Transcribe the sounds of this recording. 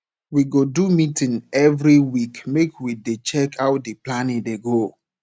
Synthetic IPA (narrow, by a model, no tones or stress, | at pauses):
wiɡodumitĩŋɛvɾiwikmekʰwidet͡ʃɛkʰawt̚diplanĩdeɡo